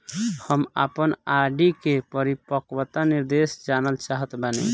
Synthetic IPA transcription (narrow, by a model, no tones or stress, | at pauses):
həma̰pənaɖikepəɾipəkwət̪aniɾd̪esd͡ʒanəlt͡ʃaɦət̪banḭ